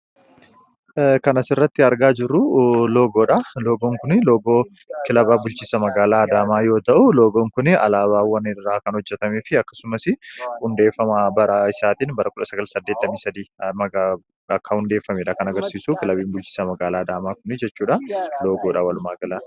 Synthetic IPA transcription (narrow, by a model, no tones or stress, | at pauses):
kɐnɐsɪrːɐt̪ːɪɐɾɡaːd͡ʒɪrːʊlo̞ːɡo̞ːᶑalo̞ːɡoːŋkʊnɪlo̞ːɡoː | kɪlɐbaːbʊlt͡ʃiːsɐmɐɡaːlaːɐd̪aːmaːjo̞ːt̪ɐʔʊlo̞ːɡoːŋkʊnɪɐ̰laːβaːwɐnɪrːaːkɐnhɔd͡ʒːɛt̪ɐmeːfɪɐkːɐ̥sʊmɐsɪhʊnd̪e̞ːfːɐmaːbɐɾaːɪsaːt̪iːnbɐɾɐkʊᶑɐsɐɡɐlsɐd̪ːeːt̪ːɐmiːsɐd̪iːmɐɡa | ɐkːɐhʊnd̪eːfːɐmeːᶑɐkɐnɐɡɐɾsiːsuːkɪlɐbiːnbʊlt͡ʃi̥ːsɐmɐɡaːlaːd̪aːmaːkʊnɪd͡ʒɛt͡ʃːuːᶑɐlo̞ːɡoːᶑawɐlʊmaːɡɐlaː